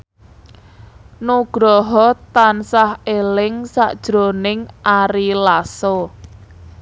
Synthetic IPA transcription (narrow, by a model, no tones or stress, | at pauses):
noɡ̥ɾɔɦɔt̪ansahelɪŋsa̰ʔd̥ʒ̥ɾonɪŋʔaɾilasɔ